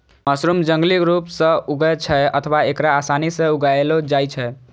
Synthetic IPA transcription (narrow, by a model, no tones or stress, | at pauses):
məsɾumd͡ʒə̃ŋɡlikɾupsə̃uɡɛt͡ʃʰɛə̰t̪ʰəʋaekɾaːsanisẽuɡaelod͡ʒajt͡ʃʰɛ